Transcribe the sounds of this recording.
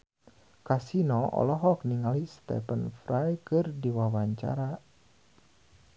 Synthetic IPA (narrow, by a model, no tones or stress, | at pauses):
kasinɔɔ̰lɔɦɔk̚niŋalist̪ɛ̰pənfɾajkɨrdiwawaɲt͡ʃa̰ɾa